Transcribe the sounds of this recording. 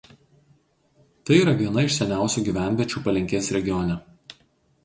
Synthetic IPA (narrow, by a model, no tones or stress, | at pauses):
t̪ɐɪiɾɐʋʲiɛnɐɪʃsʲɛnʲæˑʊsʲuːɡʲiːˑʋʲæˑnʲʋʲɛt͡ʃʲuːpɐlʲɪŋʲkʲeːsɾʲɛɡʲɪjɔnʲɛ